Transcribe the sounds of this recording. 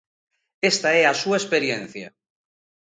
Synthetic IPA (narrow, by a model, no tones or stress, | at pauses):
est̪aeasuespeɾjenθja̰